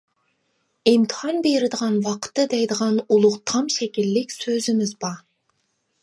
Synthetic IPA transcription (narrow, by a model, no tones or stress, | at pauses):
imt̪ʰɨ̥hɑnbeɾɪd̪əʁɑnwɑqʰə̥t̪ːɨd̪ɛjd̪əʁɑnulˠʊqt̪ʰɑmʃɛkʲilːɪkʲsøzɪmɪzbɑ